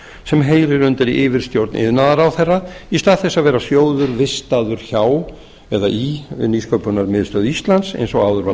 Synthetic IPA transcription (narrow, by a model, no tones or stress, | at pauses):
sɛmɦeːjɾɪɾʏnt̪ɪɾiʔɪːvɪɾ̥st̪jowɾt̪nʔɪ̰ðnaðaɾawθɛrːaist̪aðθɛsːavɛːɾasjoːwðʏɾvɪst̪aːðʏɾ̥çaw | ɛðaʔiniːskœpʏnaɾmɪðɪst̪œːðʏist̪lant̪sḛjnsɔɣaːwðʏɾva